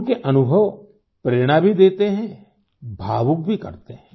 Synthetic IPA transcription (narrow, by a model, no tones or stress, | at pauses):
keʔənʊbʱəʋ | pɾeːɽ̃abʱid̪eːt̪eɦɛ̃ | bʱaːʋʊk̚bʱikə̰ɾt̪eɦɛ̃